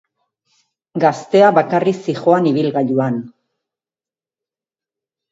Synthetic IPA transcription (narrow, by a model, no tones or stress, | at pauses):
ɡast̪e̞aβakarisixo̞aniβ̞ilɣaʎuan